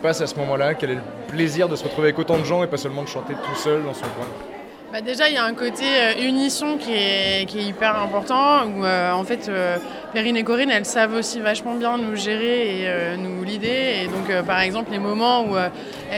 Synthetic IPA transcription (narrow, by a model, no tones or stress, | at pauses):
pasasəmɔmɑ̃lakɛlɛlə | pleziʁd̪əsəʁət̪χuveavɛkot̪ɑ̃d̪əʒɑ̃epasœlmɑ̃d̪əʃɑ̃t̪et̪usœld̪ɑ̃sɔ̃kwɛ̃ | bad̪eʒailjaɛ̃kot̪eøynisjɔ̃kʲiɛkʲiɛipɛʁɛ̃pɔʁt̪ɑ̃uøɑ̃fɛt̪ø | peʁinekɔʁinɛlsavosivaʃmɑ̃bjɛ̃nuʒeʁeːønulid̪eːd̪ɔ̃køpaʁɛɡzɑ̃pllemɔmɑ̃uø | ɛ